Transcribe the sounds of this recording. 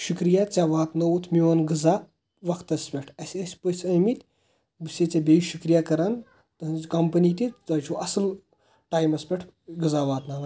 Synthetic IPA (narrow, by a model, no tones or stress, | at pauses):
ʃukɾijat͡sʲaʋaːt̪nowut̪ʰmiʋɐnɡɨza | ʋɐkt̪ɐsʲpʲeʈʰɐsʲɐsʲpɐsʲɐmit̪ʲ | bɨsʲet͡sʲabʲeiʃukɾijakɐɾan | t̪ɐɦnzkɐmpɐniːt̪ʲiɐt͡ʃʰuʔɐsɨl | ʈaːjmɐsʲpʲeʈʰ | ɡɨzaʋaːt̪nɐnɐ